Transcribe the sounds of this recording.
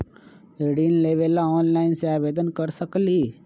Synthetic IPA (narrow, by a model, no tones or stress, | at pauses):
eɽinleːʋeːlaɔːnlaːɪnseaːʋeːd̪ənkəɾsəkliː